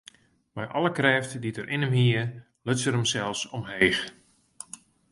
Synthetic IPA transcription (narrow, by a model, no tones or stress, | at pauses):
mɛjʔɑlˠəkrɛːftditəɾʔɪnəmɦiə | løsəɾəmsɛlˠfsɔmɦeːx